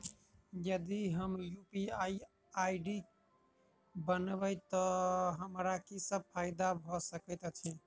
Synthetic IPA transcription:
jəd̪iɦəmjupiai | aiɖi | bənbəjt̪ɔɦəmɾakisəb̚pʰaɪd̪abʱɔsəkət̪t͡ʃʰɛ

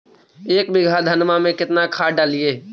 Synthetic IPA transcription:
eːk̚bɪɡʱad̪ʱɐnmamẽkɪt̪nakʰaːɖaːlijeː

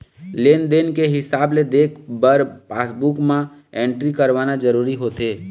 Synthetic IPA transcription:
leːnd̪eːnkeɦɪsaːbled̪eːkʰbəɾpaːsbukmãẽːɳʈɾikəɾʋaːnad͡ʒəɾuːɾiɦoːt̪eː

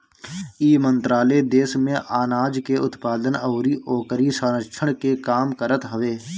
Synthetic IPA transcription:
iːmə̃nt̪ɾaːled̪eːsmẽʔaːnaːd͡ʒkeʊt̪paːd̪ənəʊɾiʔoːkəɾisəːnət͡ʃʰəɽ̃kekaːmkəɾət̪ɦəʋeː

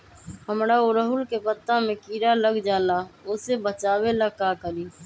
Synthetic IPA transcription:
həmɾaʊɾəɦʊlkepət̪ːamẽkiːɾaləɡd͡ʒaːlaʊsebət͡ʃaːwelakakəɾiː

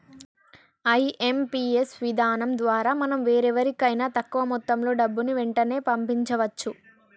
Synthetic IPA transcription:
ɐjʔe̞mpiːesʋid̪ʱaːnɐmd̪ʋaːɾaːmɐnɐmʋe̞ːɾɛʋɐɾikɐjnaːt̪ɐkːuʋɐmɔt̪ːɐmlo̞ːɖɐbːuniʋeɳʈɐne̞ːpɐmpiɲt͡ʃɐʋɐt͡ʃːu

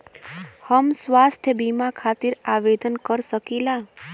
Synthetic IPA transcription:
həmsʋast̪ʰjəbimakʰat̪iɾaʋed̪ənkəɾʃəkila

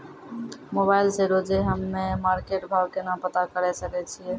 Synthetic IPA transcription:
mobaɪlseɾod͡ʒeɦəmːemaːɾkeʈbʱaːbkenapət̪akəɾɛsəkɛt͡ʃʰijɛ

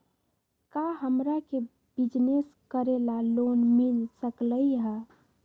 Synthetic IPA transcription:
kaɦəmɾake | bid͡ʒneskəɾelalonmilsəkləjɦə

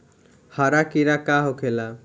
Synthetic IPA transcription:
haɾakiɾakaɦokʰela

